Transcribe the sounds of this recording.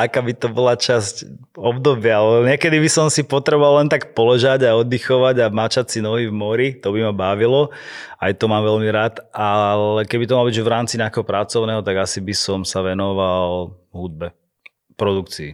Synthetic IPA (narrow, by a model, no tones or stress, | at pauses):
akaːbit̪ɔbɔlat͡ʃasc | ɔbd̪ɔbɪalɛɲɪɛkɛd̪ibisɔmsipɔt̪ɾɛbɔʋallɛnt̪akpɔlɛʒaɟaɔd̪ixɔʋaɟamat͡ʃatsinɔɦivmɔɾit̪ɔbimabaʋilɔajt̪ɔmaːmʋɛʎmiɾaːt̪alɛkɛbit̪ɔmalɔbiɟʒʋɾaːmt͡siɲɛakɛɦɔpɾat͡sɔʊnɛːɦɔt̪aɡasibisɔmsaʋɛnɔʋalɦud̪̚bɛ | pɾɔd̪ukt͡siḭ